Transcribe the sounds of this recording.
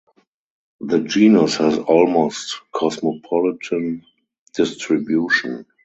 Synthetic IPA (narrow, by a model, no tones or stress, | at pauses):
ðəd͡ʒiːnəshɛzɔlmoʊstkʰɔsmopʰɔlɪtʰə̃n | d̥ɪstɹɪbjuːʃɔ̃n